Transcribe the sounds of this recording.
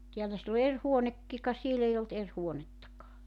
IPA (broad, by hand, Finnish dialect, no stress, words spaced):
tiælæ silː o er huonekːi kɑ siel ei olt er huonetːɑkɑː